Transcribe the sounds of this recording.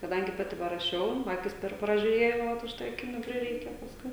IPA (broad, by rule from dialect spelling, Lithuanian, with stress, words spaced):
kɐˈdɐŋʲɡʲɪ ˈpɑːtʲɪ pɐrɐˈʃʲɛʊ ˈɑːkʲɪs ˈpʲɛr prɐʒʲʊˈrʲeːjɛʊ ʋɐt ʊʃ ˈtɐɪ ɐˈkʲɪnʲuː ˈpʲrʲɪrʲɛɪkʲɛ pɐsˈkʊɪ